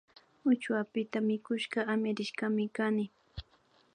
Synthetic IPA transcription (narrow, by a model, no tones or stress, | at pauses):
ʊt͡ʃwapɪt̪amɪkʊʃɢɑamjaɾɪʃkɑmɪkanɪ